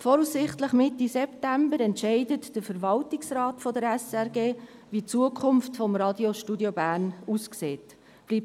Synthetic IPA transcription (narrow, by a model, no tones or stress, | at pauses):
fɔɾuːsːɪχtləχmɪtːisɛptæmbəɾɛntʃɛɪdətd̥əɾfəɾvɑltɪksrɑːtfɔdəɾɛsɛɾɡeː | vit͡suəkʰʊmftfɔmɾɑdjoʃtudjobæːɾnuːskseːt | b̥liːp̚